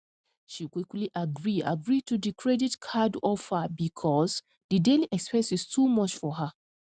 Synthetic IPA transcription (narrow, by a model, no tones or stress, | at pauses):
ʃikwikliʔaɡɹia̰ɡɹitudikʰɹɛditkʰadɔfhabikʰɔs | dideliʔɛkspɛ̃sistʰumɔt͡ʃfɔɦa